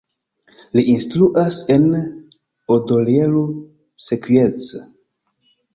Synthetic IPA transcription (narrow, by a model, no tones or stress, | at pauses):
liʔinstɾuʔase̞n | odoljeɾu | sekwiet͡s